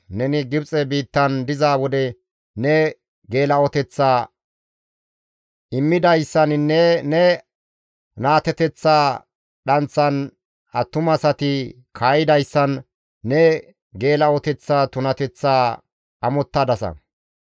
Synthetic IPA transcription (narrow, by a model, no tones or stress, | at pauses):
nɛnɪɡɪbt͡sʼɛbiːt̪ːɐnd̪ɪzaːwɔd̪ɛ | nɛ | ɡe̞ːlɐɔt̪ɛt͡sːaː | ʔɪmːɪd̪ɐjsːɐnnːɛnɛ | naːt̪ɛt̪ɛt͡sːaː | ɗɐnt͡sːɐn | ɐt̪ːʊmɐsɐt̪ɪ | kʰajɪd̪ɐjsːɐnː | ɛ | ɡe̞ːlɐɔt̪ɛt͡sːaːt̪ʊnɐt̪ɛt͡sːaː | ɐmɔt̪ːɐd̪ɐsɐ̰